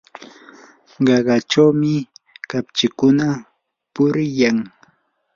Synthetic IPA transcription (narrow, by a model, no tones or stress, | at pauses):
ɢɑɢɑt͡ʃawmɪkapt͡ʃɪkʊna | pʊɾjaŋ